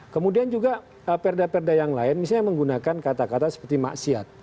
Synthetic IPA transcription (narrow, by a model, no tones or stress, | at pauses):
kəmudiand͡ʒuɡa | əpɛrdapɛrdajaŋlaɪnmis̬aɲaməŋɡunakankat̪akat̪asə̥pərt̪ima̰ʔsia̰t̪̚